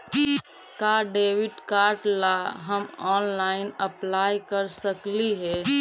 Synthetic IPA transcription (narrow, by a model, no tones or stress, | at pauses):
kaːɖeːʋɪʈkaːɾʈlaɦəmɔːnlaːɪnɐplaːjkəɾsəkliɦɛ